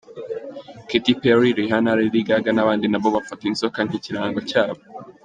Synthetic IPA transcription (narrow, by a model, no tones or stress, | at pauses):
kitipeɾiɾiɦanaɾiɾiɡaɡanaβaːndinaβoβafatinsokan̥iciɾaːŋɡocaːβo